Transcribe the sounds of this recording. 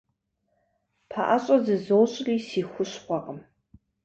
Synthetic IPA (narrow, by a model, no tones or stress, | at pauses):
pʰa̰ʔaɕʼɐzɨzowɕʼriːsiːxʷʊɕχʷɑqəm